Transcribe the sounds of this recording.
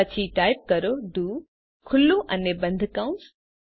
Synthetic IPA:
ɐt͡ɕʰiʈaːɪp̚kɐɾoɖuː | kʰʊlːũʔɐnebɐ̃nd̪ʱkãʊ̃ns

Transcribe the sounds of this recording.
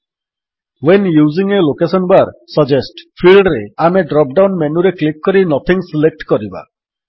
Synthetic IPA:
wenjuziŋelokesɔnbaɾsəd͡ʒesʈpʰilɖɾeameɖɾɔp̚ɖawnmenuɾeklik̚ːɔɾinɔt̪ʰiŋsilek̚ʈkɔɾiba̰

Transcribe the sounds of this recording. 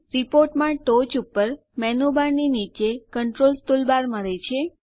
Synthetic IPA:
ɾipoɾʈmãʈot͡ʃupəɾ | mɛnubaɾninit͡ʃekəɳʈɾolst̪ulbaɾməɾet͡ʃʰe

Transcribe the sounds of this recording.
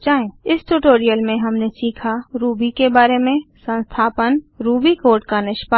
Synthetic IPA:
t͡ʃaːẽɪsʈuʈoːɾijəlmẽɦɐmnesiːkʰaɾuːbikebaːɾemẽsə̃nst̪ʰaːpənɾuːbikoːɾʈkanɪʃpə

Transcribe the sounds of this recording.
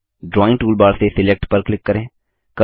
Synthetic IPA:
ɖɾɔːɪ̃ŋʈuːlbaːɽseːsɪlɛːk̚ʈpəɾklɪkːəɾẽː | kə

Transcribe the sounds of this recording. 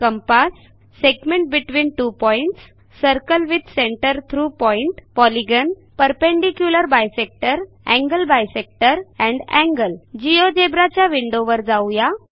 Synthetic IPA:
kəmpasː | eɡmẽɳʈ̚biʈʋiːnʈupɔiɳʈsː | əɾkəlʋid̪seɳʈəɾt̪ʰɾuːpɔiɳʈpɔliɡən | pəɾpẽɳɖikjuləɾbajsek̚ʈəɾ | ɛ̃ŋɡəlbajsek̚ʈəɾɛ̃ɳɖɛ̰̃ŋɡəld͡ʑiod͡ʑebɾat͡ɕjaʋiɳɖoʋəɾd͡zawja

